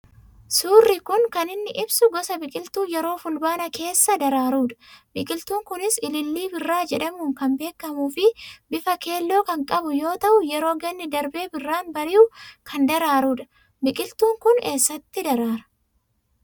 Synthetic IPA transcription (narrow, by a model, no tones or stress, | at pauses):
suːrːɪkʊŋkɐnɪnːɪʔɪbsʊɡɔsɐbɪkʼɪlt̪uːjɛɾo̞ːfʊlbaːnɐke̞ːsːɐd̪ɐɾaːɾuːᶑɐ̥bɪkʼɪlt̪uːŋkʊnɪsɪlɪlːiːbɪrːaːd͡ʒɛᶑɐmuːŋkɐmbe̞ːkːɐmuːfɪbɪfɐke̞ːlːo̞ːkɐŋkʼɐbʊjo̞ːt̪ɐʔʊjɛɾo̞ːɡɛnːɪd̪ɐɾbe̞ːbɪrːaːnbɐɾɪjʊkʰɐnd̪ɐɾaːɾuːᶑɐ̥ | bɪkʼɪlt̪uːŋkʊne̞ːsːɐt̪ːɪd̪ɐɾaːɾɐ̥